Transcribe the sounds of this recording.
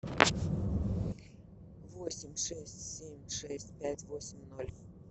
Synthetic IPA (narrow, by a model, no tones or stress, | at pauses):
vosʲɪmʲʂɛsʲtʲsʲemʲʂɛsʲtʲpʲætʲvosʲɪmʲnolʲ